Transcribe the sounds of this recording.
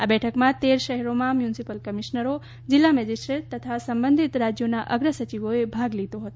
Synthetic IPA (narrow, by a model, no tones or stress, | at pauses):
abɛʈʰəkmãt̪eɾʃəɦɛɾomãmjunsipəlkəmiʃnəɾo | d͡ʒilːamɛd͡ʒisʈɾeʈ̚t̪ət̪ʰasəmbə̃nd̪ʱit̪ɾad͡ʒjonaʔəɡɾəsət͡ʃiʋoebʱaɡlit̪oɦət̪o